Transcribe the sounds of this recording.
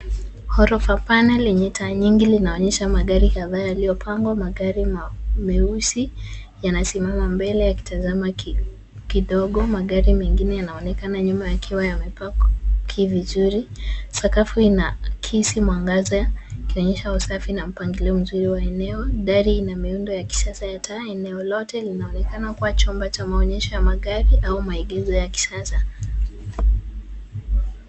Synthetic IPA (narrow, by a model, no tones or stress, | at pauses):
hɔɾɔfapanɛliɲitʰaɲiŋɡilinaɔɲɛʃamaɠaɾikaðaːjalijɔpʰaŋɡwamaɠaɾimmɛusi | janasimamambɛlɛjaki̥tazama | kiɗɔɠɔmaɠaɾimɛŋɡinɛjanaɔnɛkanaɲumajakʰiwajamɛpakɔkʰivizuɾisakafuinakʰisimwaŋɡazakiɔɲɛʃausafinam̩paŋɡilɛɔm̩zuɾiwaɛnɛɔɗaɾiinamiundɔjaki̥sasajatʰaɛnɛɔlɔtɛlinaɔnɛkanakuwat͡ʃɔmbat͡ʃamaɔɲɛʃɔjamaɠaɾiʔaumaiɠɛzɔjaki̥sasa